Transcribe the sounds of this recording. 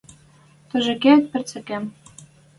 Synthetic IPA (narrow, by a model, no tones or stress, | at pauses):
t̪ɤ̆ʒɘ̆kĕt̪̚pɘ̆t͡sɘ̆kæm